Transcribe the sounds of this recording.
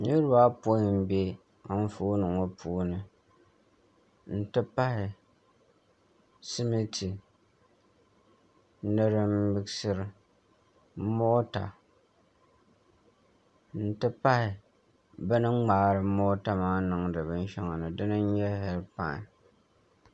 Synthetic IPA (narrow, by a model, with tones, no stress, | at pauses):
ni˦ɾɨ˦ba˦po˦m̩˦be˦ | a˨n˦fu˦nɨ˨ŋo˦pʰuː˦nɨ˨ | n̩˦tɨ˦pa˦hɪ˨ | sɪ˦mi˦tʰi˨ | nɨ˦ɾɨ˦m̩˦bɨ˦ksɨ˦ɾɨ˨˦ | mo˦ta̰˨ | n̩˦tɨ˦pa˦hɪ˨ | bɨ˦nɨ˦ŋ͡maː˨˦˨ɾɨ˨˦mo˦ta˦maː˦nɨ˨ŋdɨ˨bɨ˦n˦ʃɛ˦ŋa˨nɨ˨dɨ˦nɨ˦ɲɛ˦ɦɛ˨˦lpa̰˦ŋ̰˨